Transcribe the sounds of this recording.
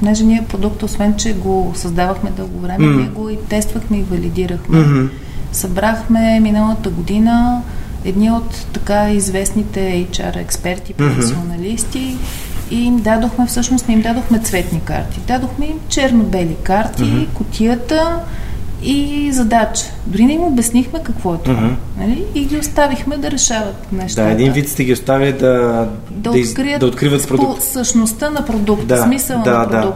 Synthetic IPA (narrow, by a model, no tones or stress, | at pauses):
ponɛʒɛniɛpɾod̪ukt̪osvɛnt͡ʃɛɡosɐzd̪avəxmɛd̪ɤlˠɡovɾɛmɛniɛɡoit̪ɛst̪vəxmɛivɐlid̪iɾəxmɛ | sɐbɾaxmɛminəlˠət̪əɡod̪inə | ɛd̪niot̪ːɐkaizvɛsnit̪ɛɛjt͡ʃa̰ɾɛ̰kspɛɾt̪ipɾofɛsionɐlist̪i | iimd̪ad̪oxmɛfsɤʃnost̪nɛimd̪ad̪oxmɛt̪svɛt̪nika̰ɾt̪id̪ad̪oxmɛimt͡ʃɛɾnobɛlikaɾt̪ikot̪ʲʰijət̪ə | izɐd̪at͡ʃə̥d̪ʊɾinɛimobɛsnixmɛkɐkvɔɛt̪nɐliːɡʲiost̪avixmɛd̪ɐɾɛʃavət̪nɛʃt̪aaɛd̪invit̪st̪ɛɡʲiost̪aviəd̪ɐ | d̪ɐokɾiətd̪ɐot̪kɾivət̪pɾodposəʃnost̪ənɐpɾod̪uk̚t̪d̪asmisəllˠnaɐpɾad̪uk̚t̪